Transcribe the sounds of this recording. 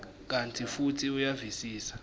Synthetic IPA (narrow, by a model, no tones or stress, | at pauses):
k̬antʰʼifutʰiujavisiːsḁ